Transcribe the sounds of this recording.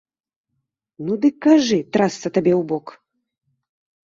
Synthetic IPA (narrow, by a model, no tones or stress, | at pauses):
nud̪ɨkːaʐɨt̪ɾast̪sɐt̪abʲɛwbɔk